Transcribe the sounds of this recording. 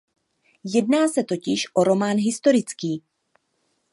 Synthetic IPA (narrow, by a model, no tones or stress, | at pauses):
jɛdnaːsɛt̪o̞cɪʃʔo̞ɾo̞maːnɦɪst̪o̞ɾɪt͡skiː